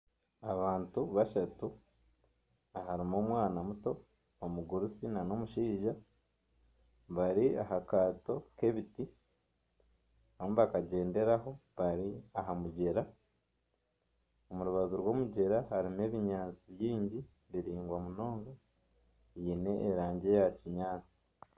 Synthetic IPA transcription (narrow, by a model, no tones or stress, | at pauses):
aβaːntuβaʃatu | aɦaɾimo̞ːmwaːnamuto̞ː | muɡuɾusinano̞muʃiːʒa | βaɾia̰ɦakaːto̞ke̞βiti | aβmβakaɟe̞ːnde̞ɾaɦo̞βaɾiaɦamuɟeɾa | omuɾuβazuɾwo̞ːmuɟe̞ɾahaɾime̞ːβiɲaːt͡siβjiːɲɟi | βiɾiːŋɡwamuno̞ːŋɡa | jine̞ʔːɾaːɲɟe̞jaciɲaːt͡si̥